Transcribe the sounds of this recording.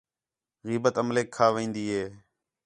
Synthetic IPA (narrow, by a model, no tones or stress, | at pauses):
ɣiːbət̪əmleːkʰːaːʋĩːnd̪iːɦeː